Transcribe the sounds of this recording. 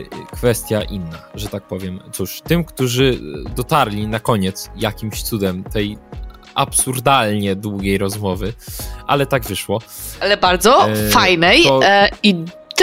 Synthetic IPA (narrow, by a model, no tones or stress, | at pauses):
kfɛst̪ʲjaʔinːaʐɛt̪ak̚pɔvʲjɛmt̪suʂt̪ɘmkt̪uʐɘd̪ɔt̪aɾlʲinakɔɲɛt̪sjakʲimɕt̪sud̪ɛmt̪ɛj | ʔapsuɾd̪alɲɛd̪wuɡʲejɾɔzmɔvɘʔa̰lɛt̪aɡvɘʂwɔ | alɛbaɾd̪zɔfajnɛjɔi | t̪